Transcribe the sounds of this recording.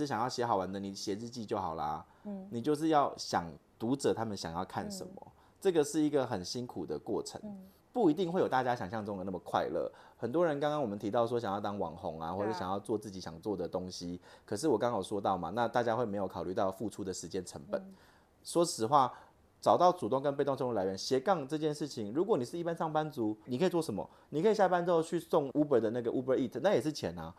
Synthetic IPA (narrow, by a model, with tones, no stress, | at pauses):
ʂɻ̩˥˩ɕjɑ˨˩ŋjɑ˥˩ʊɕjɛ˧˥xɑ˨˩ʊwa˨˦nd̪ə˨ni˨˩ɕjɛ˧˥ɻɻ̩˥˧t͡ɕi˥˧t͡ɕjo˥˩ʊxɑ˨˩ʊlɐ̰˨ | ni˨˩t͡ɕjo˥˧ʊʂ̬ɻ̩˥˧jɑ˥˩ʊɕjɑ˨˩ŋt̪u˧˥ʈ͡ʂɤ˨˩t̪ʰa˦˥mə˨nɕjɑ̰˨˩ŋjɑ˥˧ʊkʰa˥˩nʂə̰˨˦nmə̰˨˦ | ʈ͡ʂɤ˥˩ɡə˨ʂɻ̩˥˩i˧˥ɡə˨xə˨˩nɕi˦˥nkʰu˨˩d̪ə˩kwɔ˥˩ʈ͡ʂʰə̰˧˦ŋ | pu˥˩i˧t̪i˥˧ŋxwe˥˩jo˨˩ʊt̪a˥˧t͡ɕja˦˥ɕjɑ˨˩ŋɕjɑ˥˧ŋʈ͡ʂɤ˥˩˨ə˩na˥˩mə˨˩kʰwa̰˥˧ɪlə̰˥˩hə˨˩nt̪wɔ˦˥ɻə˧˦nka˥ŋkɑ˥ŋwɔ˨mə˦nt̪ʰi˧˥t̪ɑ˥˩ʊʂ̬wɔ˥ɕjŋjɑ˥˩ʊt̪ɑ˥ŋwɑ˨˩ŋxʊ˧˦ŋa̰˦xwɔ˥˧˩ɕjɑ˨ŋjɑ˥˧ʊt͡swɔ˥˧t͡sɹ̩˥˩t͡ɕi˨˥ɕjɑ˨˩ŋt͡swɔ˥˩d̪ə˩t̪o˦˥ŋɕi˦kʰɤ˨˩ʂ̬ɻ̩˥˩wɔ˨˩kɑ˥˦ŋjo˨˩ʊʂwɔ˥t̪ɑ˥˩ʊma̰˨˩na˥˧t̪a˥˩t͡ɕja˦˥xwe˥˩ɪme˧˥ɪjo˨˩ʊkʰɑ˨˩ʊly˥˧t̪ɑ˥˧ʊfu˥˩ʈ͡ʂʰu˥d̪ə˨ʂɻ̩˧˥t͡ɕjɛ˦˥nʈ͡ʂʰə˧˦ŋpə̰˨˩˦n | ʂwɔ˥sɻ̩˨˩xwa˥˩ | t͡sɑ˨˩ʊt̪ɑ˥˩ʊt͡su˨˩ʊ˥˧ŋkə˦np̬e˥ɪt̪ŋʈ͡ʂʰla˧˥ɥɛ˧˦nɕjɛ˧˥kɑ˥˧ŋʈ͡ʂɤ˥˧t͡ɕjɛ˥˧nʂɻ̩˥˩t͡ɕʰi˨ŋɻu˧˥kwɔ˧˦ni˨˩ʂɻ̩˥˧i˥˩pa˦nʂɑ˥˩ŋpa˦nt͡su˨˥ni˨˩kʰɤ˥i˨˩t͡swɔ˥˩ʂə˧˦mə̰˨ | ni˨˩kʰi˨˩ɕja˥˧pa˥˦nt͡sɻ̩˥o˥˧t͡ɕʰy˥˧sɔ˥˧ŋu˥pə˨˧˩d̪ə˨na˥˩ɡə˩˨ʔu˥bə˨˧˥i˥˩t̪ʰna˥˩jɛ˨˩ʂ̬ɻ̩˥˩t͡ɕʰjɛ̰˧˦na˦